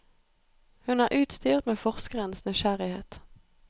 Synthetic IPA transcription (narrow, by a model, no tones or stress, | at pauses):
hʉnæːʁʔʉːt̪st̪yːʁt̪meːfɔʁskəʁənəsnʏʃæʁɪheːt̪